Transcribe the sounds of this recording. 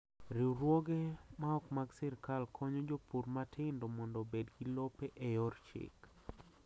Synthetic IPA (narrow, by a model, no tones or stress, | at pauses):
ɾiɾwɔɡɛmaɔkmaɡsɪɾkalkʰɔɲɔd͡ʒopuɾmatʰɪndɔmɔndɔbedɡilɔpɛʔɛjɔrt͡ʃɪ̰k